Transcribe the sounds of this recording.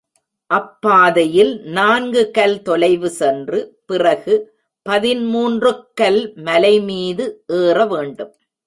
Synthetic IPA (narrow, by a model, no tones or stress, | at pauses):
ʔɐpːaːðɐjɪlnaːnɡɯkɐlt̪ɔlɐɪʋɯsɛndrɯpɪrɐɣɯ | pɐðɪnmuːndrɯkːɐlmɐlɐɪmiːðɯʔeːrɐʋeːɳɖɯm